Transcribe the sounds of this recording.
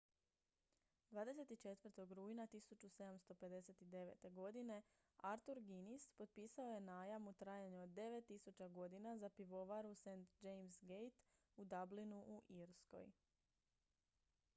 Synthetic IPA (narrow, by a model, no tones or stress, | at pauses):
d̪ʋaːd̪e̞se̞t̪it͡ʃe̞t̪ʋərɾt̪o̞ɡɾuːjnat̪isut͡ʃuse̞d̪amst̪o̞pe̞d̪e̞set̪id̪e̞ʋḛt̪e̞ɡo̞d̪ine̞ | aɾt̪uɾɡinispo̞t̪̚piːsao̞je̞naːjamut̪ɾaːjaɲuod̪ːe̞ʋe̞t̪ːisut͡ɕaɡo̞d̪inazapiʋo̞ʋaɾusent̪d͡ʒejmsɡejt̪ | ud̪ablinuʔuʔiɾsko̞̰j